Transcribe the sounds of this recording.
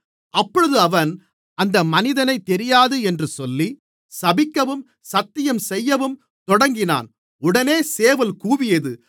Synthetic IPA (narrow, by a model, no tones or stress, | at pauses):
ʔɐpːɔɻɯðɯɐʋɐn | ɐnd̪ɐmɐnɪðɐnɐɪt̪ːɛɾɪjaːðɯɛndrɯsɔlːi | sɐbɪkːɐʋɯm | sɐt̪ːɪjɐmsɛjːɐʋɯm | t̪ɔɽɐŋɡɪna̰ːn | ʊɽɐneːseːʋɐlkuːʋɪjɐðɯ